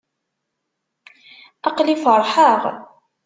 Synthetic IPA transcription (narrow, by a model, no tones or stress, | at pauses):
ɑqlifəɾˤħəʁ